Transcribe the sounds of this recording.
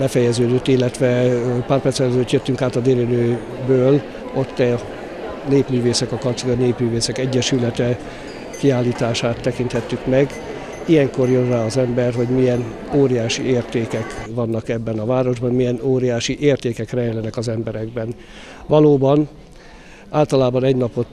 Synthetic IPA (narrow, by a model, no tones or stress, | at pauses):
bɛfɛjɛzøːd̪øt̪ːilːɛt̪ʋɛpaːrpɛrt̪sɛlɛzøːt̪jøt̪ːyŋkaːt̪ɒd̪eːlinøː | bøːl | o̞t̪ːɛ | neːpmyːveːsɛkɒkɒpt̪siɡɒneːpmyːveːsɛkɛɟːɛʃylɛt̪ɛ | kiaːlːiːt̪aːʃaːt̪ːɛkint̪hɛt̪ːykmɛɡ | ijɛŋko̞rjonraːɒzɛmbɛrɦo̞ɟmijɛn | oːɾijaːʃḭeːrt̪eːkɛkʋɒnːɒkɛbːɛnɒvaːɾo̞ʒbɒnmijɛnoːɾijaːʃiʔeːrt̪eːkɛkrɛɛlɛnɛkɒzɛmbɛɾɛɡbɛn | ʋɒloːbɒn | aːlt̪ɒlaːbɒnɛɟnɒpo̞t̪